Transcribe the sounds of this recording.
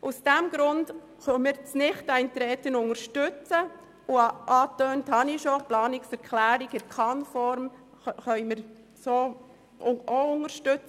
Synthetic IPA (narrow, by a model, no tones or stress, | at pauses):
ʔusd̥æmɡ̥ɾʊnd̥ | χœmɪɾt͡snɪχtæɪntɾɛːtənʊŋəɾʃtʏt͡sə | ʊʔɑːtøːnthɑniʃoplɑːnɪksɛɾkʰlæːɾiɡɪɾkʰɑnfɔɾm | χœʏmɪɾ | soː | ʔoʊŋəɾʃtʏt͡s